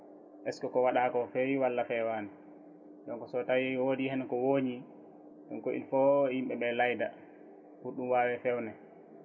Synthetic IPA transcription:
ʔɛskɔkɔwaɗakɔfɛjwalːafɛwaːnɛ | ɗɔnkɔsɔtawiwodihɛnkɔwoːɲi | ɗɔnkoʔḭnfɔhimɓɛɓɛlajda̰ | huɗumwaːwɛfɛwnɛ

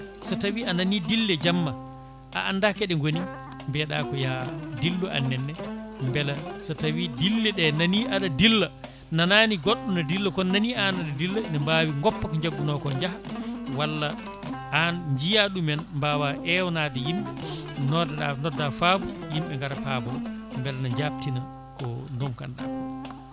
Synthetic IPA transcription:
sɔtawiananidilːɛd͡ʒamːa | ʔa̰ʔanːdakɛɗɛŋɡoni | mbɛɗaːkɔjadilːuʔa̰nːɛnːɛmbɛlasɔtawidilːɛɗɛnaniʔaɗadilːa | nanaːniɡɔɗːunadilːɔkɔnanianaɗadilːanɛmbawiŋɡɔpːakɔɲd͡ʒaɡːunɔkɔɲd͡ʒahawalːa | anɲd͡ʒijaɗumɛnmbawaʔɛwɔnaːdɛjimɓɛnɔdaɗa̰nɔdːafabujimɓɛŋɡaɾapabɔmbɛlanaɲd͡ʒap̚tina | kɔndɔmka̰nɗa̰kɔ

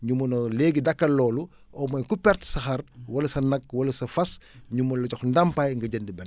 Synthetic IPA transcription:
ɲumɐnɔleːɡidɐkːɐlːɔːlu | ɔmɐjkupɛrtsɐxɐrwɐlɐsɐnɐk̚wɐlɐsɐfɐsɲumɐnlɐcɔxndɐmpajŋɡɐɟəndibɛn

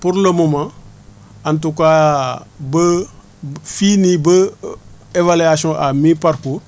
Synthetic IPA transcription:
puɾləmomã | antuka | bə | finibə | evaliasɔ̃ʔamipaɾkuːr

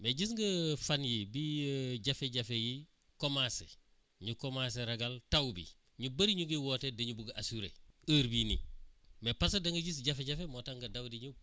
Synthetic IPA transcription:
meɟis̬ŋɡɐfanjibiɟɐfeɟɐfeji | komasḛ | ɲukomaseɾɐɡaltawbḭ | ɲubɐɾiɲuɡiwoːtedɐɲubuɡɐʔasuɾḛəɾbinḭmepɐsɐdɐŋɡɐɟis̬ɟɐfeɟɐfemotaŋɡɐdɐwdiɲu

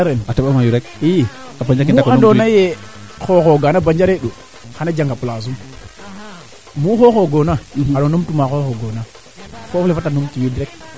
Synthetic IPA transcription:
aɾenatabamajuɾek̚i | abaɲd͡ʒakimkandonaje | xoxoɡanaband͡ʒaɾeɗo | xanad͡ʒaŋɡapulas̬um | muxoxoɡonaaɾonomtumaxoxoɡona | koflefatanomtujudɾek̚

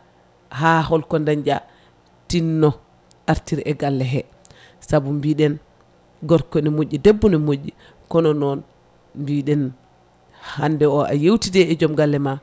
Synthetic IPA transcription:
hahɔlkɔndaɲd͡ʒa̰ | tinːɔ | ʔaɾtiɾʔɛɡalːɛɦɛ | sabumbiːɗɛn | ɡɔɾkɔnimoʔːidebːunɛmoɟːi | kɔnɔnɔn | mbiɗɛn | handɛɔʔa̰jewtidɛɛd͡ʒɔmɡalːɛma

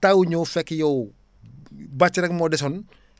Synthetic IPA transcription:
tawuɲɔːfɛkːjɔw | bat͡ʃːɾɛkmɔdɛsɔn

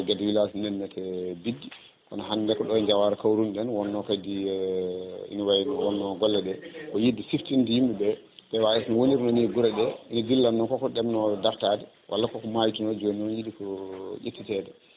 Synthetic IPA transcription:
ɡɛdɛwilasnɛnːɛtʰɛbidːi | kɔnɔɦandɛkɔɗɔɲd͡ʒawaɾɛkawɾunɗɛnwɔnːɔkadi | ḭnawajinwɔnːɔɡɔlːɛdɛkɔjidisiftindijimbɛbɛ | bɛwajasnɔwoniɾnɔniɡuɾɛɗɛinadilːamnɔkɔkɔɗɛmnɔdaftadɛ | wʔa̰lːakɔkɔmajtunɔd͡ʒoniɔnjidikɔjetːitɛdɛ

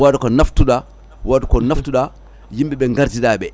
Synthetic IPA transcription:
wadɔkɔnaftuɗa | wadukɔnaftuɗa | jimbɛɓɛŋɡaɾd͡ʒidaɓɛ

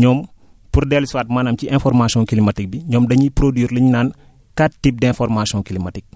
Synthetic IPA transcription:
ɲɔːm | purdɛlswaːt̚maːnaːmciʔɛ̃nfɔrmasiɔ̃ŋkilimɐtik̚biɲɔːmdɐɲipɾodiːɾliɲnaːn | kattːip̚dɛ̃nfɔrmasiɔ̃ŋkilimɐtik̚

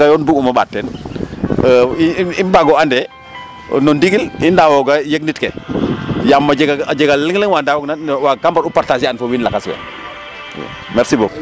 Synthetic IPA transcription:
ajɔnbukumɐɓa̰tːɛn | inbaɡɔandɛ̰ | nɔndiɡilindawɔɡajeɡ̚nitkɛ | jamːad͡ʒɛɡaad͡ʒɛɡalliŋləŋwaːndawɔɡnawaɡambaɾupaɾtasianfowinlakaswɛ̰ | mɛɾsiboːku

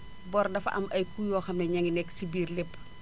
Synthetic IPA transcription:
bɔrdɐfʔɐ̰mʔɐjkujɔːxɐmɛɲɐŋinɛksibiːrlɛpː

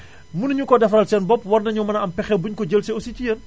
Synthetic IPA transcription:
munɲukɔdɐfɐlsɛnbɔpwɐrnɐɲɔmɐnɐɐmpɛxɛbuɲkɔɟəlsɛosicijən

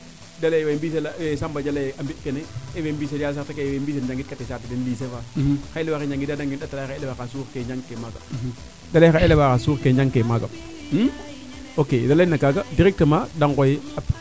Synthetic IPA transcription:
dalajwambis̬elawesambad͡ʒalajʔambiʔkeneewembis̬edjals̬atakewembisend͡ʒaŋɡit̚katesatidenliːs̬efaxaelewakeɲaŋɡidadaŋɡinɗatalaxaelewakasuːɾkeɲd͡ʒaŋkemaɡa̰ | dalaxaelewakasuːɾkeɲd͡ʒaŋkemaɡa̰ | m̩ | okedalenakaɡadiɾɛk̚təmadaŋkojap

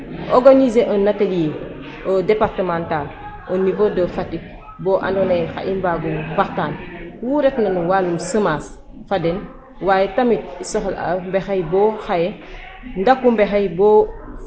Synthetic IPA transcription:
oɡanizeʔonatalije | odepaɾtəmantal | onivodɐfatik̚ | boʔa̰nonejxa̰ʔimbaɡubaxtaːnwuɾetnɐnuwanumsəmas | faden | waːjetamit̚isoxɐla̰mbexajboxaje | ndakːumbexajbo

